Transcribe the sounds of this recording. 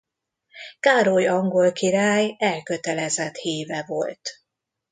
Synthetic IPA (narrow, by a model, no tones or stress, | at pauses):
kaːɾojɒŋɡo̞lkiɾaːjɛlkøt̪ɛlɛzɛt̪heːvɛvo̞̰lt̪